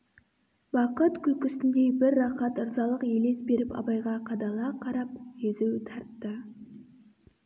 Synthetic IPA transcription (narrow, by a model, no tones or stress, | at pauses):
bɑqət̪kʲʰɵkʲʏst̪ɪnd̪e̞bɪɾːɑqɑt̪əɾzɑlˠəqje̞le̞sbe̞ɾɪpɑ̰bɑjʁɑqʰɑd̪ɑlˠɑqʰɑɾɑpjezewt̪ʰɑɾt̪ːə